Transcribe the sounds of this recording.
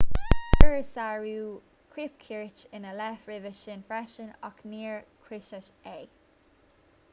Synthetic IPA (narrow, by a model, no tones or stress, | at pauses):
pʰəɹsaɹuː | kʰɹip̚kʰiɹt͡ʃɪnəlɛfɹɪvəʃɪnfɹɛʃənɔkniːɹkʰɹɪʃəʃeː